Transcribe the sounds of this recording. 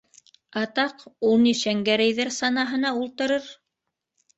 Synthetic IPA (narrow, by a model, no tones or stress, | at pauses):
ɑt̪ɑqulˠniʃæŋɡæɾæjðæɾsɑnɑɦɤ̆nɑulˠt̪ɤ̆ɾɤɾ